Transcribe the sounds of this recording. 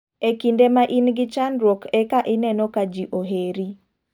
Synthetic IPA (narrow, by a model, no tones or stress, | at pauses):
ekindemaʔinɡɪt͡ʃanɾokɛkaʔɪnɛnɔkad͡ʒiʔoɦeɾi